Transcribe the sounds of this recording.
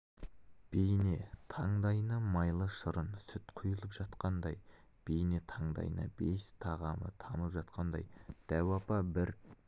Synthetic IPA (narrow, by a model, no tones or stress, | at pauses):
b̥ejne̞t̪ʰɑɴd̪ɑjnɑmɑjlˠəʃʊɾənsʏt̪qʰʊjəlˠəpʒ̥ɑt̪qɑnd̪ɑjb̥ejnet̪ʰɑɴd̪ɑ̰jnɑ̰be̞st̪ʰɑʁɑmə̰t̪ʰɑməpʒɑt̪qʰɑnd̪ɑ̰jd̪̥æwɑpɑbɪɾ